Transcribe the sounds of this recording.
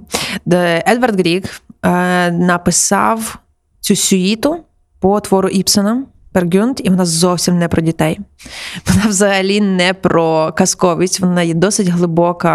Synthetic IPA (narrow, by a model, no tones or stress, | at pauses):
ɛd̪ʋɐrd̪ɡɾʲikː | nɐpɪsɑ̰w | t͡sʲusʲʊit̪ʊ | pɔt̪ʋɔɾʊʔipsɐnɐ | pɛrɡʲunt̪iʋɔnɑzɔwsʲimnɛpɾɔdʲit̪ɛjʋɔnɑwzɐɦɐlʲinɛpɾɔkɐskɔʋʲisʲʋɔnɑjɛd̪ɔsɪtʲɦlˠɪbɔkɐ